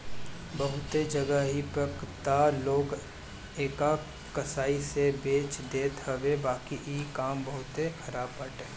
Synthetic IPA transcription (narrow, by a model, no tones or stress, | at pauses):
bɐɦʊt̪ed͡ʒɐɡəɦipəkt̪aloːɡ | eːka | kɐsaːisebeːt͡ʃd̪eːt̪ɦɐʋebaːkiʔikaːmbɐɦʊt̪ekʰɐɾaːbpəʈɦeː